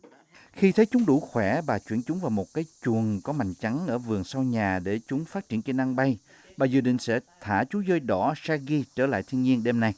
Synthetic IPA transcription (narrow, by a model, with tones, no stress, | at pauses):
xi˧t̪ʰə˨˦jt͡ɕʊ˨˦ŋ͡mɗu˧˩xwɛ˧˩ɓaː˨˩t͡ɕwi˧˩ənt͡ɕʊ˨˦ŋ͡mvaː˨˩wmo˨˩t̚kaː˨˦jt͡ɕu˨˩ənkɔ˨˦ma̰˧˨jŋ̟t͡ɕa˨˦ŋʔəː˧˩vɨ˨˩əŋsa˧wɲaː˨˩ɗe˧˩t͡ɕʊ˨˦ŋ͡mfaː˦˥t̚t͡ɕi˧˩ənt͡ɕe˧na˧ŋɓa˧j | ɓaː˨˩zɨ̰ː˨˩ɗḭ˧˨ŋ̟sɛ̰˧˥t̪ʰaː˧˩t͡ɕu˨˦zəː˧jɗɔ˧˩saː˧ɣi˧t͡ɕəː˧˩la̰ː˧˨jt̪ʰi˧əŋɲi˧ənɗe˧mna˧j